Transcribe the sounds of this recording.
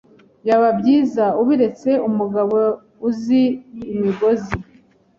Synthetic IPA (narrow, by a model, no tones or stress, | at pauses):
jaβabɟiːzauβiɾe̞t͡se̞umuɡaβo | uziːmiɡo̞zi